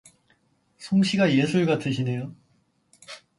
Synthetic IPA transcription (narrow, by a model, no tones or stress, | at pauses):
sʰoŋɕʰiɡaje̞sʰuɭɡatʰɯɕʰinejo